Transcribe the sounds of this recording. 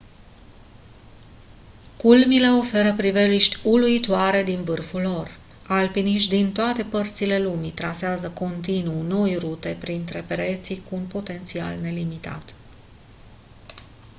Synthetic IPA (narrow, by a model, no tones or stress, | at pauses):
kulmile̞o̞fe̞ɾəpɾive̞liʃt̪ʲuluit̪oaɾe̞d̪invɨrfulːo̞r | alpiniʃt̪d̪int̪oat̪e̞pərt̪sile̞lumit̪ɾaseazəko̞nt̪inuno̞jrut̪e̞pɾint̪ɾe̞peɾe̞t̪sikuːnpo̞t̪e̞nt̪sia̰lne̞limit̪a̰t̪